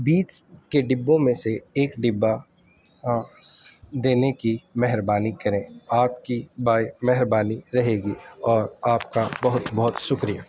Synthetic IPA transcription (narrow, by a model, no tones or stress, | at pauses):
biːt͡ʃkeɖɪbːõmẽseeːkɖɪbːa | d̪eːnekimɛɦɪɾbaːnikɐɾẽːaːp̚kibaːimɛɦɾbaːniɾɐɦeːɡiɔːɾaːpkabɐɦʊt̪bɐɦʊt̪ʃʊkɾija̰